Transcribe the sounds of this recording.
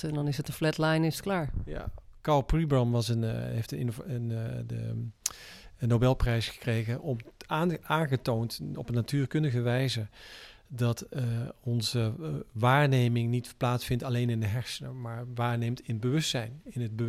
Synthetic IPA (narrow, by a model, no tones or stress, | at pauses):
ɛndɔnɪsətənflɛtlajnɪsklaːɹja̰kɑlˠpribəmʋɑsənejftəɪ̰novnə | ənːowbɛlˠprɛjsχə̥krejɣəʔɔmː | aːnχətowntɔpənːatyːrkɵndəɣəʋɛjzədɑtɔnzəʋaːɹnejmɪŋnitplaːtsfɪntalejnɪndəɦɛɹsənəmaːɹʋaːɹnejmtɪnəbəʋɵstsɛjnɪnəd̚bə